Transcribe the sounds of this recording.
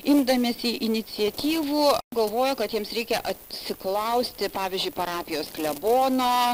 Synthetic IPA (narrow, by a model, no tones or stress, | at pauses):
ɪmd̪ɐmʲeːsiʔɪnʲɪt͡ssʲɪɛt̪ʲiːʋuːɡɐlˠʋoːjokɐt̪jiɛmsɾʲɛɪkʲɛʔɐtsʲɪklˠɐʊsʲt̪ʲɪpɑːʋʲiɪzʲd͡ʒʲʊɪpɐɾɑːpʲɪjoːsklʲɛboːnoː